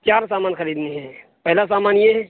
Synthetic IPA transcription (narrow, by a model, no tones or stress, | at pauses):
t͡ʃaːɾsamaːnxəɾid̪neɦɛ̃ | pəɦlas̬amanjeɦɛ